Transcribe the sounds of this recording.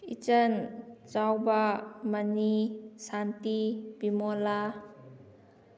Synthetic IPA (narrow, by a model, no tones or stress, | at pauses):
ḭt͡ʃənt͡ʃawbamənisantibimɔla